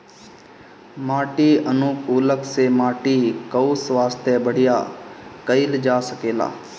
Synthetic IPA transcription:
maːʈiənukuːləksemaːʈikəusʋaːst̪jəbəɽ̤ɪjaːkəɪld͡ʒaːsəkeːla̰ː

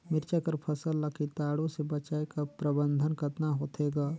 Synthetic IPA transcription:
mɪɾt͡ʃakəɾpʰɐsəlːɐkʰit̪aːɽõsebɐt͡ʃaːekapɾɐbə̃nd̪ʱənkəɾnaɦoːt̪ʰeːɡaː

